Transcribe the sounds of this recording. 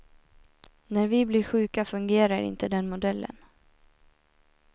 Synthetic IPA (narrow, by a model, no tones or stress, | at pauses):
næɾvɪblɪɾɧʉ̟ːkafɵŋɡeːɾaɾɪ̰nt̪əd̪ɛnmʊd̪ɛlːʔə̰n